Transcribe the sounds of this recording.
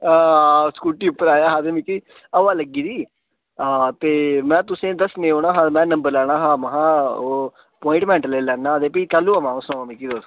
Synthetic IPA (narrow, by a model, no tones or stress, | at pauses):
askuːʈiːʊpːəɾaːjaːɦãːd̪eːmiːkiː | əʋaːləɡiːd̪iː | aːt̪eːmɛ̃ːt̪ʊsẽːd̪əsnẽːoːɽ̃aːɦãːmɛ̃ːnəmbəɾlɛːɽ̃aːɦãːməɦãːoː | pɔːɪ̃ɳʈmɛ̃ːɳʈleːlɛːnaːd̪eːpiːkəlːuːəmãːõːsõːmiːkiːd̪oːs